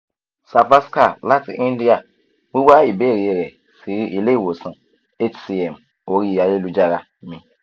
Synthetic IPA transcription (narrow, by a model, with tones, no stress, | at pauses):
sa˨fa˦ska˦˨la˦tḭ˨ʔĩ˦n˦di˦a˨ | wi˦wa˦i˨be˦˨ɾi˨e˨ɾɛ˨ | si˨ɾi˦i˨le˦˨wo˨sã˨ | e˦t͡ʃsi˨ɛ˨m | o˨ɾi˦˨ja˨je˦lu˦d͡ʒa˦ɾa˨ | mĩ˨